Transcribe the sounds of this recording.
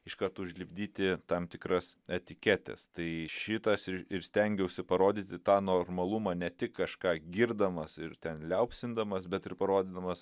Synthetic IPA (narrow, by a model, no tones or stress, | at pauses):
ɪʃkɐrt̪uːʊʒʲlʲɪbʲd̪ʲiːt̪ʲɪt̪ɐmt̪ʲɪkɾɐsɛt̪ʲɪkʲæːt̪ʲɛ̰st̪ɐɪʃʲɪt̪ɐsɪɪɾsʲt̪ʲɛŋʲɡʲɛʊʃʲsʲɪpɐɾoːd̪ʲiːt̪ʲɪt̪ɑːnoːrmɐlˠumɑːnʲɛt̪ʲɪkːɐʃkɑːɡʲiːɾd̪ɐmɐsɪɾt̪ʲɛnlʲɛʊpʲsʲɪnd̪ɐmɐsbʲɛt̪ɪrpɐɾoːd̪ʲɪːd̪ɐmɐs